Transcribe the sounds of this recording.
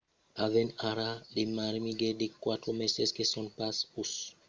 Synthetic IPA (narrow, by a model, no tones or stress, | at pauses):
avenaɾademaɾmiɡedekwat̪ɾomeseskesɔnpasus